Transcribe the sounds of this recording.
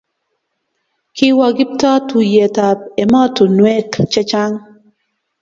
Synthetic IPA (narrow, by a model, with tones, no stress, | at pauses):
kʰɪ˦wa˨ɡɪ˦p̚ta˦tʰu˨jɛ˨ta˨p̚ɛ˨mɔ˦tu˨nwɛ˦kt͡ʃɛ˦t͡ʃa˦ŋ